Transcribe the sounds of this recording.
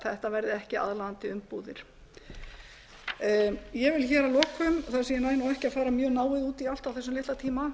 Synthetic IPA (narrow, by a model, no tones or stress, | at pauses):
θaðɛht̪avɛjɾðɪɛhcɪa̰ðlaant̪ɪʏmpuːðɪ̰ɾ̥ | jɛvɪlçɛːɾalɔːkʏmθaðsɪmjɛnaːjnawɛhcɪafaːɾamjœːɣnaːwɪðuːt̪ial̥t̪awθɛsːʏmlɪht̪at̪ʰiːma